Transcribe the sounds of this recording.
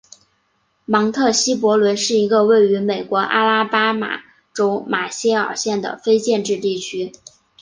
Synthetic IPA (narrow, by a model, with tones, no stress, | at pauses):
mɑ˧˥ŋt̪ʰɤ˥˩ɕi˥p̬wɔ˧˥lwə˧˥nʂɻ̩˥˩i˧˥ɡə˧we˥˩ɪy˧˥me˨˩ɪkwɔ˧˥ʔa̰˥la˥pa˥ma̰˨˩ | ʈ͡ʂo˥ʊma˨˩ɕjɛ˥ɑ̰˨˩ɕjɛ˥˩nd̪ə̰˩fe˥ɪt͡ɕjɛ˥˧nʈ͡ʂɻ̩˥˧t̪i˥˩t͡ɕʰy˥